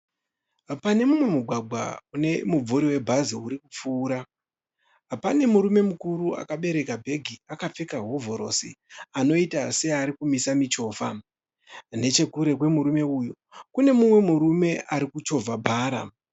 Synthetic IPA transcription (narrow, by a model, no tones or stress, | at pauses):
pane̞mumwe̞muɡʱwaɡʱwa̰une̞mub͡vuɾiwe̞bʱaziuɾikup͡fuːɾa | pane̞muɾume̞mukuɾua̰kaɓe̞ɾe̞kabʱe̞ɡʱiakap͡fe̞kaɦovo̞ɾo̞̰sḭano̞itase̞aɾikumisamit͡ʃo̞ːfa̰ | ne̞t͡ʃe̞kuɾe̞kwe̞muɾume̞ujo̞ | kune̞mumwe̞muɾume̞ʔaɾikut͡ʃo̞vʱabʱaːɾa̰